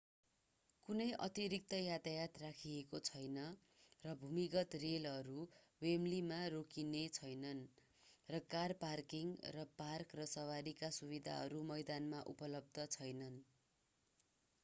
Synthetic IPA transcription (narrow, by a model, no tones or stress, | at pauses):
kunʌjʔʌ̰t̪iɾik̚t̪ʌjat̪ajat̪rakʰiekot͡sʰʌjnʌ | rʌbʱumiɡʌt̪relʌɾu | wemlimarokinet͡sʰʌjnʌn | rʌkarparkiŋrʌparkrʌsʌwaɾikasubid̪ʱa̰ɦʌ̰ɾumʌjd̪anmaʔṵpʌlʌb̚d̪ʱʌt͡sʰʌjnʌn